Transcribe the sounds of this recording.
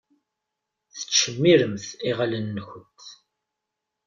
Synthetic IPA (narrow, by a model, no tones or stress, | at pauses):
θə̥t͡ʃːəmːiɾəmθiʁalənːəçənt̪